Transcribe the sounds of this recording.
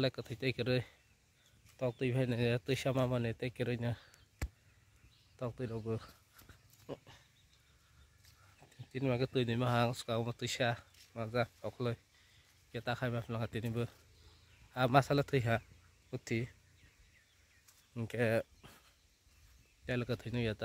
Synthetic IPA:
lakɯtʰɯjtekɯɾɯj | tɔk̚tɯjbʰʱajnajatɯjsamamanetejkɯɾɯjnɯ | tɔk̚tɯjɾɔbɯ | tinimaɡɯtɯjnɯjmaɦaŋsu̥kaɔmatɯjsamazatɔkʰlɯj | jatakʰajmapʰnakatinibɯ | hamasalatʰɯjɦa | utʰːi | ŋkʰe | dalɯkatʰɯjnɯjata

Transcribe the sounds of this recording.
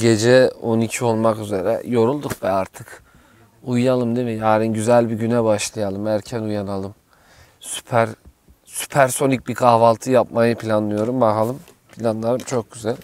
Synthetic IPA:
ɟe̞d͡ʒɛo̞nicʰio̞lˠmakyze̞ɾɛ̰jo̞ɾulˠd̪ukvɛaɾt̪ʰɯk | ujːalˠɯmd̪ɯvɛjaːɾɯnɟyzælʲbiɟynɛbaʃlˠajalˠɯmæɾcʰænujanalˠɯm | sy̥pʰæɾ | sy̥pʰæɾso̞nic̚bikʰahvalˠt̪ʰɯjap̚majɯpʰilʲanlˠɯjo̞ɾumbaɦalˠɯm | pʰilʲanlˠalɯmt͡ʃʰo̞k̚ɟyzælʲ

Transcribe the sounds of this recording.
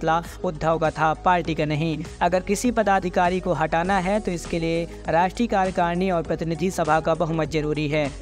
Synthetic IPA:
la | ʊd̪ʱːəʋkat̪ʰapaːɾʈikanɐɦĩɐɡəɾkɪsipɐd̪aːd̪ʱɪkaːɾikoɦɐʈaːnaɦɛt̪oɪskelie | ɾaːʃʈɾiːkaːɾjəkaːɾniɔːɾpɾɐt̪ɪnɪd̪ʱisɐbʱakabɐɦʊmət̪zɐɾuːɾiɦɛː

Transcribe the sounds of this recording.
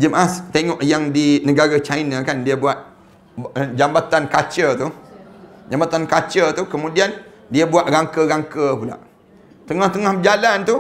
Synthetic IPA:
d͡ʒəmʔast̪eŋɔʔjaŋdinəɡaɾat͡ʃainakandiəbuat̪̚ | d͡ʒambat̪ankat͡ʃət̪u | d͡ʒambat̪ankat͡ʃət̪ukəmũdian | diəbuaʔ̪̚ɾaŋkəɣaŋkəpula̰ʔ | t̪əŋaht̪əŋahd͡ʒalant̪u

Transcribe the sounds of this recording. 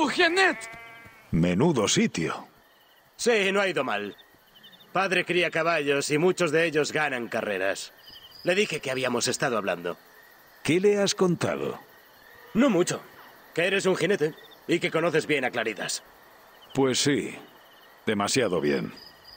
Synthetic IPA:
uxinet̪ | menuðo̞sit̪jo̰ | sinoaiðo̞mal | paðɾe̞kɾiakaβaʎo̞simut͡ʃo̞zðe̞eʎo̞zɣanaŋkare̞ɾasle̞ðixe̞keaβ̞iamo̞se̞st̪að̞oaβ̞la̰nd̪o̞̰ | ke̞le̞asko̞nt̪a̰ðo̰ | nomut͡ʃo̞ | ke̞e̞ɾe̞s̬uŋxine̞t̪eike̞ko̞no̞θe̞zβje̞naklaɾiða̰s | pwe̞sːi | d̪e̞masjaðo̞βje̞̰n

